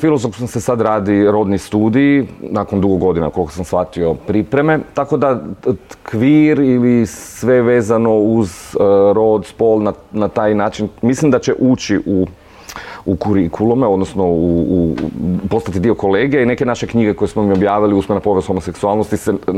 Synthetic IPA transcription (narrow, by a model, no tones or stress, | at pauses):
filˠo̞zofsosesad̪ɾaːd̪iɾo̞d̪nist̪uːd̪iinako̞nd̪uɡoɡo̞d̪ina̰kolkosamsxʋat̪io̞pɾipɾe̞me̞t̪ako̞d̪a | kʋiːɾilisʋe̞ʋe̞ːzano̞uzɾo̞d̪spo̞lˠnanat̪aːjnaːt͡ʃinmislimd̪at͡ɕe̞ʔut͡ʃiʔu | ukuɾikʰulˠomeo̞d̪nosnouupo̞st̪at̪id̪io̞ko̞le̞ːɡieine̞ke̞naʃe̞kɲiɡeko̞jesmomio̞bjaːʋiliusmenapo̞ʋezuhomose̞ksualnost̪ise